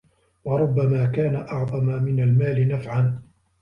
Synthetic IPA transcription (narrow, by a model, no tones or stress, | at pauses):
wɑɾˤʊbːamaːkaːnaʔɑʕðˤɑmamɪnalmaːlɪnafʕan